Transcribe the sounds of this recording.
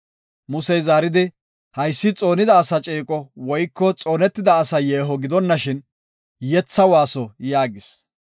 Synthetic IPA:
mʊsɛjzaːɾɪd̪ɪ | hɐjsːɪt͡sʼo̞ːnɪd̪ɐːsɐt͡ʃʼeːkʼɔwɔjkːɔt͡sʼo̞ːnɛt̪ːɪd̪ɐːsɐjeːɦɔɡɪd̪ɔnːɐʃɪn | jɛt͡sːɐwaːsɔjaːɡɪs

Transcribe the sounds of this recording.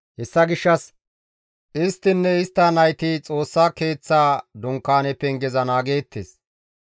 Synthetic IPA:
hɛsːɐɡɪʃːɐs | ʔɪst̪ːɪnːɛɪst̪ːɐnɐjt̪ɪt͡sʼo̞ːsːaːke̞ːt͡sːaːd̪ʊŋkːaːnɛpːɛŋɡɛzɐnaːɡe̞ːt̪ːḛːs

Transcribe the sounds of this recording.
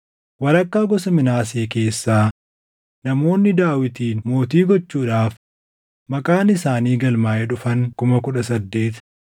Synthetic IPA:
wɐɾɐkːaːɡɔsɐmɪnaːs̬eːke̞ːsːaː | nɐmo̞ːnːɪd̪aːwɪt̪iːnmo̞ːt̪iːɡɔt͡ʃːuːᶑaːf | mɐkʼaːnɪsaːniːɡɐlmaːʔɛᶑʊfɐŋkʊmɐkʊᶑɐsɐd̪ːe̞ːt̪

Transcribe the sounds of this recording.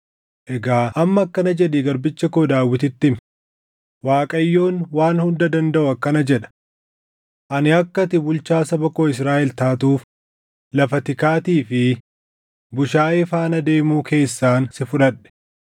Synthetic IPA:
ʔɛɡaːʔɐmːɐːkːɐnɐd͡ʒɛᶑɪɡɐɾbɪt͡ʃːɐkoːd̪aːwːɪt̪ɪt̪ːɪm | waːkʼɐjːo̞ːnwaːnhʊnd̪ɐd̪ɐnd̪ɐʔʊɐkːɐnɐd͡ʒɛᶑɐ̥ | ʔɐnɪɐkːɐt̪ɪbʊlt͡ʃaːsɐbɐkoːɪs̬ɾaːʔɛlt̪aːt̪uːf | lɐfɐt̪ɪkaːt̪iːfɪ | bʊʃaːʔɪfaːnɐd̪e̞ːmuːkʰe̞ːsːaːnsɪfʊᶑɐᶑɛ̥

